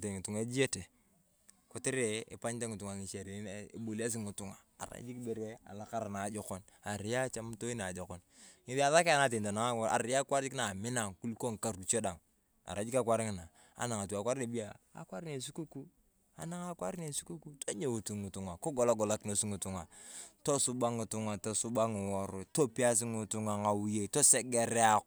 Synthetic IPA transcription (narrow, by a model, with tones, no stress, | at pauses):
te˨ŋu˨tu˨ŋe˦d͡ʒi˦e˦te˨ | ko˨ti˦ɾe˨ḛ˨pa˦ɲte˦ŋu˨tu˨ŋa˨ŋi˨t͡ʃa˨ɾe˨˦˨bo˨li˦a˦s̬i˦ŋu˨tu˦ŋa˨a̰˨ɾa̰˨˦d͡ʒi˦kbe˨ɾe˦a̰˨la˦˨ka˦ɾa˨na˨d͡ʒo˨ko˦n | a˨ɾi˨ja˦t͡ʃa˦m˦to˦i˦na˨d͡ʒo˨ko˦n | ŋi˨ða˨ða˦ka˨na˦t̬e˨n˨ta˨na˨ŋa˦˨a̰˨ɾi˨ja˦kwa˦ɾd͡ʒi˦kna˨mi˦na˨ŋku˦lko˦ŋ˨ka˨ɾu˨t͡ʃo˦da˨ŋ | a̰˨ɾa˨d͡ʒi˦ka˦kʷa˦ɾi˦kna˨ | a̰˨na˨ŋa˨tu˨a˨kwa˦ɾne˨bi˦ja˨a̰˨kwa˦ɾi˦ne˨su˦ku˦ku˦ | a̰˦na˦ŋa˦kʷa˦ɾne˨su˦ku˦ku˦to˦ɲe˨wu˨tu˨ŋu˨tu˨ŋa˨ko˦ɡo˨la˦ɡo˨la˦kno˨si˦ŋu˨tu˨ŋa˨to˦su˦ba˦ŋu˨tu˦ŋa˨to˦su˦ba˦ŋi˨wo˦ɾo˨to˦pi˦a˦s̬i˦ŋu˨tu˦ŋa˨ŋa˨wu˦je˨to˦se˦ɡe˦ɾe˦a˦k